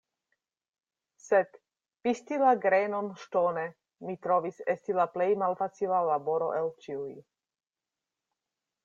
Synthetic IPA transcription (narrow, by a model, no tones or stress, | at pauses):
set | pistilaɡɾenonʃtone | mit̪ɾo̞visestilaplejmalfat͡silalabo̞ɾo̞̰ʔelt͡ʃiuj